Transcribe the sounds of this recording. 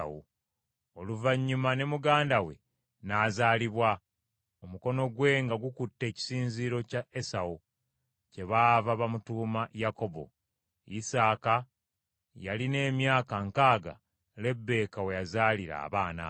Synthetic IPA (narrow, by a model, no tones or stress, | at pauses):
ṵ | oluvaɲːumane̞muɡaːndawe̞̰ | naːzaːliβwa | o̞muko̞no̞ɡwe̞ːŋɡaɡukutːe̞ːci̥siːnziɾo̞caesawu | ce̞βaːvaβamutuːmajako̞bo̞̰ | isaːka | jaline̞ːmjaːkaŋkaːɡa̰ | le̞bːe̞ːkawe̞jazaːliɾa̰ːβaːna̰